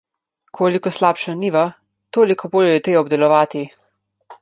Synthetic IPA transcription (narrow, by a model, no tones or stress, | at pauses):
kʰoːlikɔslaːpʃaniːʋa | t̪oːlikɔboːljɔjɛt̪ɾeːɔbd̪ɛlɔʋaːt̪i